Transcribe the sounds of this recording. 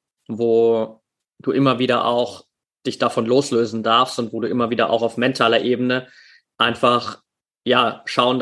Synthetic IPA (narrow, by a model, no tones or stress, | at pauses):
voː | d̥uːʔɪmɐviːdɐʔa̰ʊx | d̥ɪçd̥afɔnloːsløːzn̩daɐfstʊntv̥oːduːʔɪmɐviːdɐʔa̰ʊxaʊfmɛntʰaːlɐʔeːbənə | ʔaɪnfaχ | jaːʃaʊən